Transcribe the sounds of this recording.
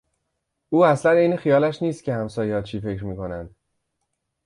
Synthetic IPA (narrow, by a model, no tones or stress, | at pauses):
ʔuːæslænejnexijɒːlæʃniːst̪cʰe̞hæmsɒːjehɒːt͡ʃʰiːfe̞cɾmiːkʰo̞nænd̪̥